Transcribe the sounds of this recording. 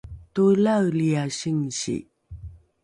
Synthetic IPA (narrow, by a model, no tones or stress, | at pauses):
tulawliaɕiŋɕḭ